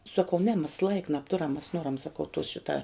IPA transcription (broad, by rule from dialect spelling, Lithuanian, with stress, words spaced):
sɐˈkɐʊ nʲɛ mʲɛs lˠɐɪk nɐpˈtʊrɐm mʲɛs ˈnoːrɐm sɐˈkɐʊ toːs ˈʃʲɪtɐ